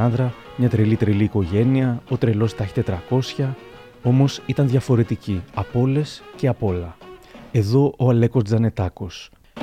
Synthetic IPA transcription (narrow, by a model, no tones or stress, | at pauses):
ɐnðɾɐ | mɲɐt̪ɾelit̪ɾeliːko̞ʝe̞niɐo̞t̪ɾelo̞st̪ɐçi̥t̪e̞t̪ɾɐko̞sçɐ | o̞mo̞sit̪ɐnðʝɐfo̞ɾe̞t̪iciɐpo̞le̞sce̞ɐpo̞lɐe̞ðo̞ʔoɐle̞ko̞zd͡zɐne̞t̪ɐko̞s